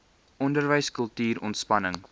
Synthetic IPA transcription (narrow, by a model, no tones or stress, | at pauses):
ʔɔndərvəjskəlˠtyːɾɔ̰ntspɐnəŋ